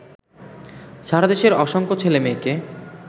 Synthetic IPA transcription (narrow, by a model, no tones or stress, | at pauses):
ʃaɾad̪eʃeɾɔʃoŋkot͡ɕʰelemeke